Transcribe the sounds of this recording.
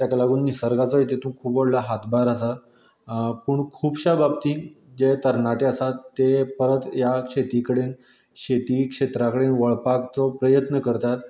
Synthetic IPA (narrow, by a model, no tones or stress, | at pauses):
t̪jakalaɡuːnːisəɾɡat͡sɔɦejt̪et̪ũːkʰuːpʋəɽlaɦat̪baɾəsat̪ | pəɳkʰuːbɕabab̚t̪ĩːŋ | d͡ʑet̪əɾnaʈeəsat̪ːepəɾət̪jakʂet̪ikəɽen | ɕet̪iːkʂet̪ɾakəɽenʋəɭpakt͡sɔpɾəjət̪nəkəɾt̪at̪